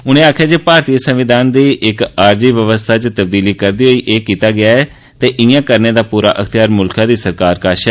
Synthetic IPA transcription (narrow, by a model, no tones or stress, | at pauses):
ʊnẽːaːkʰjaːd͡ʒeːpaːɾt̪iːəsəmʋɪd̪ʱaːnd̪iːʔɪkaːɾd͡ʒiːʋjəʋəst̪ʰaːt͡ʃt̪əbd̪iːliːkəɾd̪iːɦoːiːʔeːkiːt̪aːɡɪaːɛː | t̪eːʔɪjãːkəɾneːd̪aːpuːɾa̰ːʔəkʰt̪ɪjaːɾmʊlkãːd̪iːsəɾkaːɾkaːʃɛː